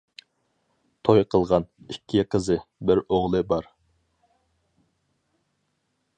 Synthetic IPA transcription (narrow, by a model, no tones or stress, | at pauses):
t̪ʰojqʰəlˠʁɑnikʲʰːɪqʰəzɨbɪɾoʁlˠɨbɑɾ